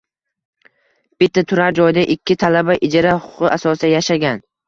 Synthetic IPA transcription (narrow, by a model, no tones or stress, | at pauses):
b̥ɪt̪ːat̪ʰʊɾaɾd͡ʒɒjd̪aʔɪkʲʰːɪt̪ʰalabaʔɪd͡ʒaɾahʊʊqɨʔasɒsɪd̪ajaʃaɡʲan